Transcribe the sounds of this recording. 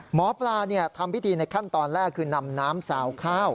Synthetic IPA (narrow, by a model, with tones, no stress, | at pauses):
mɔː˩˦plaː˧ni˥˩ɐt̪ʰa˧mpʰi˦˥t̪ʰiː˧na˧jkʰa˥˩nt̪ɔː˧nlɛː˥˩kʰːɯː˧na˧mnaː˦˥msaː˩˦wkʰaː˥˩w